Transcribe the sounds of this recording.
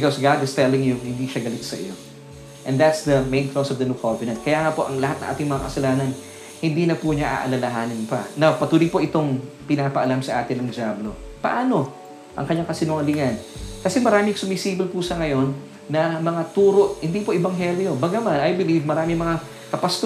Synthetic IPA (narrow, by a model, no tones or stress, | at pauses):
bɪkosɡad̪ɪst̪ɛlɪŋjʊŋhɪnd̪iːʃɐɡɐlɪt̪sɐʔɪ̰jo̞̰ | ʔɛ̃nd̪at̪sd̪ɐmejnklosɔvd̪ɐnukʰovɪnɐnt̪̚kɐjaːŋɐpo̞ʔɐŋlɐhat̪nɐ̰ŋʔa̰ːt̪ɪŋmɐŋakɐsɐlaːnɐn | hɪnd̪iːnɐpuɲaʔa̰ʔɐ̰lɐlɐɦaːnɪnpɐ̰nawpɐt̪uːlipoʔɪt̪o̞ŋ | pɪnaːpɐʔɐlamsɐʔaːt̪ɪnːɐŋd͡ʒablo̞pɐ̰ʔaːno̞ | ʔɐ̰ŋkɐɲːaŋkɐsɪnʊŋɐlɪŋɐnkɐsɛmɐɾaːmɪŋsʊmɪsiːbɪlpusɐŋɐjo̞nː | ɐmɐŋat̪uːɾo̞ʔhɪnd̪ipoʔɪbɐŋɦɛljo̞bɐɡamanɐjbɪlivmɐɾaːmɪŋmɐŋa | kɐpɐst̪